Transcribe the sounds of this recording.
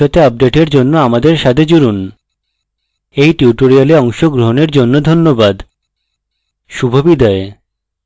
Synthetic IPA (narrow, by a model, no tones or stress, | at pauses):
ot̪eab̚ɖeʈeɾd͡ʑonːoamad̪eɾʃat̪ʰed͡ʑuɾun | ejʈiuʈoɾialeɔŋʃoɡɾoɦoneɾd͡ʑonːod̪ʱonːobad̪ | ʃubʱobid̪ae